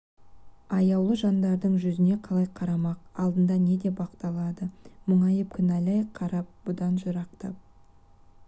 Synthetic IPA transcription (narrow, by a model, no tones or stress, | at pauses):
ɑjɑwlˠəʒɑnd̪ɑɾd̪əɴʒʏzɪne̞qʰɑlˠɑjqʰɑɾɑmɑq̚ɑlˠd̪ənd̪ɑne̞d̪e̞bɑqt̪ɑlˠɑd̪əmʊɴɑjəp̚kʲʰʏnælɑjqʰːɑɾɑp̚bʊd̪ɑnʒəɾɑqt̪ɑ̰p̚